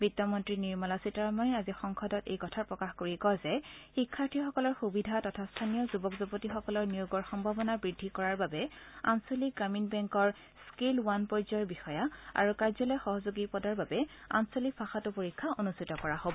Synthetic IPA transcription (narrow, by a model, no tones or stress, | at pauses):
bitːɔmɔntɹiniɹmɔlasitaɹmaazixɔŋxʰɔdɔtḛjkɔtʰaɹpɹɔkaxkoɹikɔzɛxikʰːaɹtʰixɔkɔlɔɹxubidʱatɔtʰastʰanijɔzubɔkzupotixɔkɔlɔɹnijuɡɔɹxɔmbʱabɔnabɹidʱːikɔɹaɹbabɛa̰nsoliɡamiŋbɛŋkɔɹ | skilwanpɔɹzɔɹbixɔjaa̰ɹukaɹzɔlɔjxɔɦɔzoɡipɔdaɹbabɛa̰nsolipʰaxatʊpoɹikʰːaʔonustʰitɔkɔɹahobɔ